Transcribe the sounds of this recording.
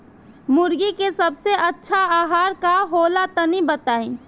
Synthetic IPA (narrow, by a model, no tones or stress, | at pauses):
mʊɾɡikesəbseətːʃʰaaːɦaːɾkaɦoːlat̪ənibət̪aːĩː